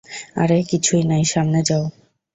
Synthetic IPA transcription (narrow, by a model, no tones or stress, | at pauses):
a̰ɾekit͡ɕʰujnajʃamned͡ʑao